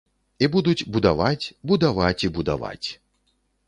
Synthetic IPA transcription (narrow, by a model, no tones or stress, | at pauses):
ibud̪ut͡sʲbud̪avat͡sʲbud̪avat͡sʲibud̪a̰va̰t͡sʲ